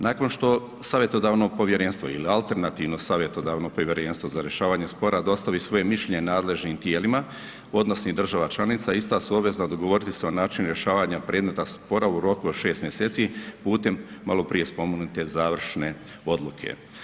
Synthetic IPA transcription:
naːko̞nʃt̪o̞ | saːʋje̞t̪od̪aːʋno̞ɡ̚po̞ʋje̞ɾe̞nst̪ʋo̞̰ḭlialt̪e̞ɾnat̪iːʋno̞saːʋje̞t̪o̞d̪aːʋno̞poʋje̞ɾenst̪ʋo̞zaɾje̞ʃaːʋaːɲespo̞ɾad̪o̞st̪aʋisʋo̞je̞miʃʎeɲenaːd̪le̞ʒniːmt̪je̞ːlima | o̞d̪nosnid̪r̩ʒaʋat͡ʃlˠanit̪saist̪asuoʋe̞znad̪oɡoʋo̞ɾit̪iseonaːt͡ʃinɾje̞ʃaːʋaɲapɾe̞ːd̪met̪aspo̞ɾauɾo̞kuod̪ʃe̞ːst̪mjeseːt̪sipuːt̪e̞mːalo̞pɾije̞spo̞moɡnut̪e̞zaːʋr̩ʃne̞ | o̞d̪lˠukʰḛ

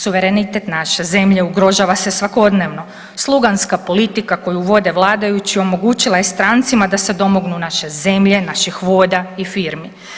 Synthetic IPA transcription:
suʋe̞ɾe̞nit̪et̪naʃe̞ze̞mʎe̞uɡɾo̞ʒaʋase̞sʋako̞d̪ne̞ʋno̞ | slˠuɡanskapo̞lit̪ikako̞juʋo̞d̪e̞ʋlˠaːd̪ajut͡ɕio̞mo̞ɡuːt͡ɕilˠajest̪ɾaːnt̪simad̪ase̞d̪o̞mo̞ɡnunaʃe̞ze̞mʎe̞naʃixʋo̞ːd̪aifiɾmi

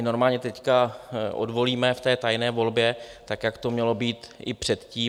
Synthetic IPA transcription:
ɪno̞ɾmaːlɲɛt̪ɛckaʔo̰dvo̞liːmɛft̪ɛːt̪ajnɛːvo̞lbjɛt̪akjakt̪omɲɛlo̞biːt̪ʔɪpr̝̥ɛt̪ciː

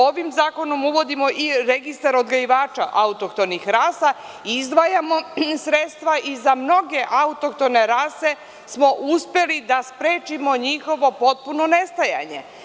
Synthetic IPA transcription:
oʋimzaːko̞no̞muʋo̞d̪imo̞ʔiɾe̞ɡist̪aɾo̞d̪ɡajiʋaːt͡ʃa̰ʔaut̪okt̪o̞nixɾasa | izd̪ʋajamo̞sɾet̪st̪ʋaʔizamno̞ɡe̞ʔaut̪o̞k̚t̪o̞ne̞ɾaːse̞ | smo̞ʔuspe̞lid̪aspɾeːt͡ʃimo̞ɲixo̞ʋo̞po̞t̪̚puno̞ne̞st̪aja̰ɲe̞̰

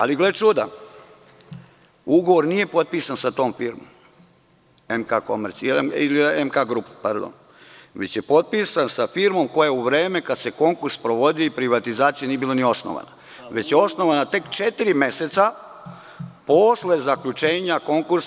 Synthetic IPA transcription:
a̰liɡle̞t͡ʃud̪a | uɡo̞ʋoɾnije̞po̞t̪̚piːsansat̪o̞ːmfiːɾmo̰m | emkakomeɾt̪leiliemkaɡɾupḁpaɾd̪o̰n | ʋe̞t͡ɕje̞po̞t̪̚piːsansafiɾmo̞mko̞jauʋɾe̞ːme̞kad̪se̞ko̞ŋkuɾspɾoʋo̞d̪ijoipɾiʋat̪izaːt̪sijenijebilanio̞sno̰ʋa̰na̰ | ʋe̞t͡ɕjeo̞sno̞ʋanat̪e̞kt͡ʃe̞t̪iɾime̞set̪sa | posle̞zakʎut͡ʃe̞ːɲako̞ŋkuɾs

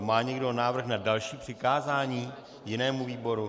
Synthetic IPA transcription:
maːɲɛɡdonaːvr̩xnadalʃiːpr̥ɪkaːzaːɲiː | jɪnɛːmuviːboɾu

